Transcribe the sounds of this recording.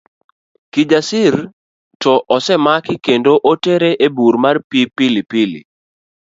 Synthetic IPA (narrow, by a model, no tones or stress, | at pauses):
kid͡ʒasɪr | tɔʔɔsɛmakɪkendoʔoteɾeʔebuɾmarpipilipilḭ